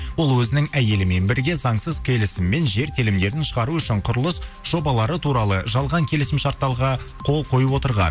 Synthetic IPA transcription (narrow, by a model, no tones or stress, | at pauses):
wo̞lˠwɵzɪnɪŋæje̞lɪme̞nbɪɾɡʲe̞zɑɴsəzkʲʰe̞lɪsɪmːe̞nʒe̞ɾt̪ʰelɪmd̪e̞ɾɪnʃəʁɑɾuʏʃɪɴqʰʊɾəlˠəsʒ̥o̞bɑlˠɑɾət̪ʰuɾɑlˠəʒɑlˠʁɑŋkʲʰe̞lɪsɪmʃɑɾt̪ːɑlˠʁɑ | qʰo̞lˠqʰo̞jəpwo̞t̪əɾʁɑ̰n